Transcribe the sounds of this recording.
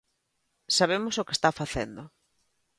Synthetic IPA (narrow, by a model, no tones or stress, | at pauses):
saβ̞emʊsoke̥st̪afaθḛnd̪ʊ